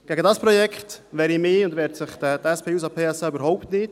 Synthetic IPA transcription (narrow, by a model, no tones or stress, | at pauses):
ɡ̥ɛɡədɑspɾɔjɛkχtʋɛːɾimɪːʊndvɛːɾtsɪχtətɛspʰeːuːs̬ɑpʰeːɛsaybəɾɦɔʊptnɪt